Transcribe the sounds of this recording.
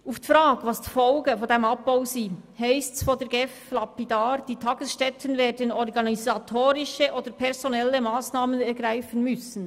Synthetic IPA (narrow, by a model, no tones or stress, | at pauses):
ʔuftifɾaːɡvɑsd̥i̥fɔlɡəfɔndemɑb̚b̥aʊsiːhaɪstsfoːdɛːɾɡɛflɑpidaːɾd̥iːtʰɑːɡ̥əsʃtɛtʰənveːdənɔɾɡɑnizatʰoːɾɪʃəʔoːd̥əɾpʰɛʁzonɛləmaːsnaːmənɛɾɡʁaɪfənmʏsən̩